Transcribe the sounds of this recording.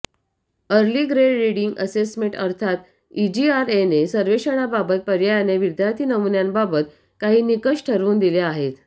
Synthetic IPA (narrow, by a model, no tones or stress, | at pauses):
əɾliɡɾeɖɾiɽiŋɡəsesmẽɳʈəɾt̪ʰat̪ | id͡ʑiaɾenesəɾʋeʂəɽ̃ababət̪̚pəɾjajaneʋid̪jaɾt̪ʰiːnəmunjanbabət̪ | kaɦiːnikəʂʈʰəɾʋuːnd̪ileaɦet̪